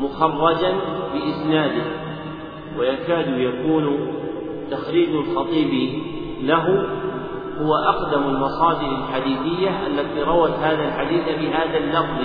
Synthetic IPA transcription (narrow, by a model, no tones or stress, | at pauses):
mʊxɑrˤːɑd͡ʒanbɪʔɪsnaːd̪ɪh | wajakaːd̪ʊjakuːn | t̪axɾiːd͡ʒalxɑt̪ˤiːbi | laɦʊ | hʊwaʔɑqd̪amalmɑsˤɑːd̪ɪɾalħad̪iːθɪjːaʔalːat̪iɾˤɑwat̪haːðalħad̪iːθafɪɦaːðalːɑfðˤ